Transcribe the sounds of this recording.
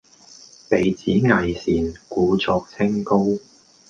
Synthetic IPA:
pe˨˧jt͡siː˨˥ŋɐ˨jsiː˨nkuː˨˧t͡sɔː˨˧k̚t͡sʰɪ˥ŋko˥w

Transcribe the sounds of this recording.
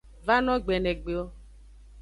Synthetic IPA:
va˦nɔ˦ɡ͡be˨ne˨ɡ͡be˨o˦

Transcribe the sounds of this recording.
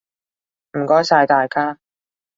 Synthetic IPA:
m̩˨˩kɔː˥jsaː˧jt̪aː˨jkʰaː˥

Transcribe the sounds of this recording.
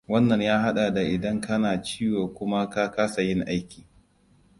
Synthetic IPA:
wɐ˦nːɐ˨ɲjaː˦ɦa˦ɗa˨da˨ʔɪ˨dɐ˦ŋkɐ˦naː˨t͡ʃiː˦woː˨kʷʊ˦ma˦ka˦ka˦sa˨jɪ˦ŋʔa˦jkʲiː˨

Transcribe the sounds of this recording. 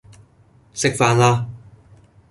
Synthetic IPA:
sɪ˥k̚faː˧nlaː˥

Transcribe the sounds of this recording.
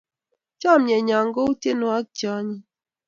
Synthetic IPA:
t͡ʃa˦˨m̩ɲe˨ɲa˨ŋ˦ɡo˦u˦tje˦no˨a˦k̚t͡ʃɔ˦ɲi˦

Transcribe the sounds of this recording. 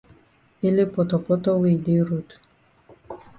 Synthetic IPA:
ɪ˦le˦pɔ˨t̪ɔ˨pɔ˦t̪ɔ˦wi˨d̪e˦ɾu˦t̪

